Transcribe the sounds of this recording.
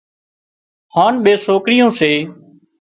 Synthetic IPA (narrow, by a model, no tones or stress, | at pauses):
haːnɓeːsoːkɾɪjõːseː